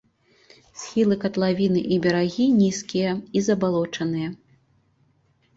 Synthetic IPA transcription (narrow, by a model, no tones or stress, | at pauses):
sʲxʲilˠɨkɐt̪lˠavʲinɨʔibʲɐɾaɣʲinʲiskʲijɐizɐbalˠɔt͡ʂɐnɨjɐ